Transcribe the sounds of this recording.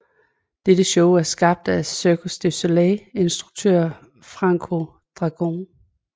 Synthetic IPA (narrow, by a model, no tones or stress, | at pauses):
d̥ed̥əɕɔʊæɐsɡ̥ɑ̈b̥̚d̥æsøkʰosd̥e̝so̝lɛe̝nsd̥ʁuɡ̥̚t͡sʰø̰ɐ̰ | fʁɑ̈ŋkʰo̝ | d̥ʁɑ̈ɡ̥on